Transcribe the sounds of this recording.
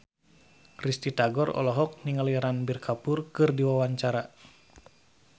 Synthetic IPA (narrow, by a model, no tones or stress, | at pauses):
krist̪it̪aɡɔrɔ̰lɔɦɔk̚niŋəliaɾanbirkʰapurkɨrdiwawaɲt͡ʃaɾa